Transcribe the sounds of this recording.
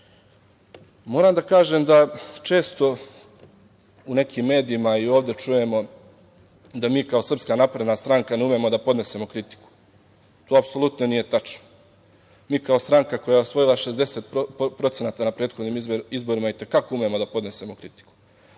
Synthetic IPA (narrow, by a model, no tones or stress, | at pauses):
mo̞ːɾaːmd̪akaːʒeːmd̪at͡ʃe̞ːst̪o̞ | une̞kiːmːe̞ːd̪iimaio̞ːʋd̪e̞t͡ʂuje̞mo̞ | d̪amiːkao̞sr̩pskaːnapɾed̪nast̪ɾaŋkaneume̞mo̞d̪apo̞d̪ne̞se̞mo̞kɾit̪i̥ku̥ | t̪oːapso̞lˠut̪nonije̞t̪at͡ʃno̥ | miːkaost̪ɾaŋkako̞jaeosʋo̞jilˠaʃe̞zd̪e̞set̪̚ppɾo̞t̪se̞naːt̪anapɾe̞ːd̪xod̪niːmizbo̞ɾimait̪e̞kakoume̞mod̪apo̞d̪ne̞se̞mo̞kɾit̪i̥ku̥